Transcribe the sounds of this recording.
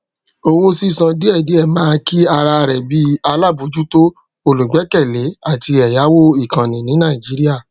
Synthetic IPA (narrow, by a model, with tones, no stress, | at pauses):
o˧wo˦si˦˨sã˧di˦ɛ˦˨di˨˦ɛ˦˨mãː˦ki˦a˧ɾa˧ɾɛ˨bi˦a˧la˦˨bu˨˦d͡ʒu˦to˦ | o˧lo˨ɡ͡bɛ˨˦kɛ˦˨le˨˦a˦˨ti˧ɛ˨ja˨˦wo˦i˦˨kã˨nĩ˨nĩ˨˦nã˦˨i˨d͡ʒi˨˦ɾi˦a˦˨